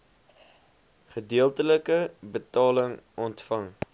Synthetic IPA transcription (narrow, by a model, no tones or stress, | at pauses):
χədiəlˠtələkəbətɑːləŋɔntfɐŋ